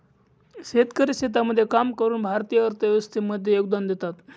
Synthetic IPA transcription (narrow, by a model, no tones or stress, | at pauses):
ɕet̪kəɾiɕet̪̬aməd̪ʱːjekamkəɾuːnbʱaɾt̪ijəəɾt̪əʋʋəst̪iməd̪ʱːjejoɡ̚d̪and̪et̪at̪